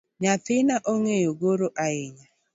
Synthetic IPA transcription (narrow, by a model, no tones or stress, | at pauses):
ɲatɪnaʔoŋejoɡoɾoʔaɪɲa